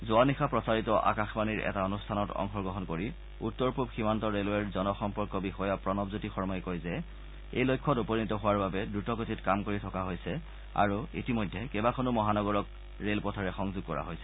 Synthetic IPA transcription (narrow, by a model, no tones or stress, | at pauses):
zʊanixapɹɔsaɹitɔʔa̰kaxbaniɹʔɛ̰taɔnustʰanɔtɔ̰ŋxɔɹɡɹɔɦɔnkoɹi | utːɔɹpubximantɔɹelɛɹzɔnɔxɔmpɔɹkɔbixɔjapɹɔnɔbzutixɔɹmɔjkojzɛ | ḛjlojkʰːɔtupɔnitɔɦʊwaɹbabɛdɹutɔkotitkamkoɹitʰɔkaɦojsɛ | a̰ɹuḭtimɔjdʱːɛkɛbakʰɔnʊmɔɦanɔɡɔɹɔk̚ | ɹelpɔtʰɔɹɛxɔŋzʊɡ̚kɔɹa̰ɦojsɛ̥